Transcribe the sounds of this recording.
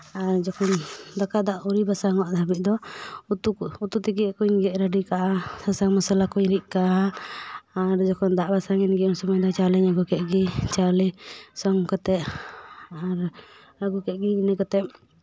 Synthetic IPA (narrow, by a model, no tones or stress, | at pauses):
aɾd͡ʒɔkɔnd̪akad̪aʔuɾibasaŋɔaʔd̪ʱabit̪ʔ̚ˀd̪ɔt̪uut̪ut̪iɡɛkuɲɡɛʔɾaɖikaʔasasaŋmɔsɛlakuɲɾiʔ̚kaʔaː | ɾd͡ʒɔkɔnd̪aʔbasaŋɛnɡɛɔnsɔmɔjd̪ɔt͡ʃalɛɲaɡukɛt̪̚ɡit͡ʃalɛsɔŋkat̪ɛʔ | aɾ | ɾaɡukɛʔ̚ɡiːnəkat̪ɛp̚